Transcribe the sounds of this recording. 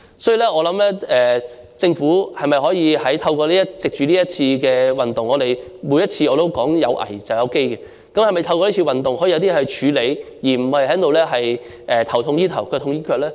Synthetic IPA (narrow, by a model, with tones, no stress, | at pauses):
sɔː˨˥ji˨˧lɛː˥ɔː˨˧lɐ˨˥mlɛː˥ɛː˨ | t͡sɪ˧ŋfuː˨˥hɐ˨jmɐ˨˩jɦɔː˨˥jiː˨˧ɦɐ˨˥jt̪ʰɐ˧wkɔː˧liː˥ɐ˥tt͡sɪ˨k̚t͡ʃyː˨liː˥jɐ˥t̚t͡sʰiː˧kɛː˧wɐ˨nt̪ʊ˨ŋɔː˨˧ɾe˨˩jmuː˨˥jɐ˥t̚t͡sʰiː˧ɔː˨˧ɾo˥wkɔː˨˥ŋjɐ̰˨˧wʔɐ̰˨˩jt͡sɐ˨wjɐ˨˧wke˥jkɛ˧ | kɐ˥mhɐ˨jmɐ˨jt̪ʰɐ˧wkɔː˧li˥t͡ɕʰi˧wɐ˨˩nt̪ʊ˨ŋɦɔ˨˥jiː˧jɐ˧ti˥ɛ˧hɐ˨˩jt͡ʃʰyː˨˧le˨˧j | jiː˨˩m̩˨˩hɐ˨jhɐ˨˥t̪o˨wlɛː˥ɦɐ˨j | ʔɛː˨˩t̪ʰɐ˨˩wt̪ʰʊ˧ŋjiː˥t̪ʰɐ˨˩wkʰœː˧t̪ʰʊ˧ŋjiː˥kʰœː˧k̚lɛː˥